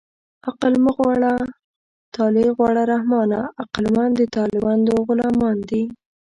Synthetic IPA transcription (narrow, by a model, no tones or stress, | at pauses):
aqalməɣwɑɽa | t̪ɑleɣwɑɽaɾahmɑnaaqalmɑnd̪ət̪ɑlɪbɑnd̪oɣʊlɑmɑnd̪i